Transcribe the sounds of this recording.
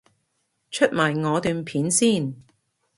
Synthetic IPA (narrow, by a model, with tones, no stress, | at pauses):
t͡ʃʰɵ˥t̚maː˨˩jŋɔː˨˧t̪yː˨˧npʰiː˨˥nsiː˥˩˨n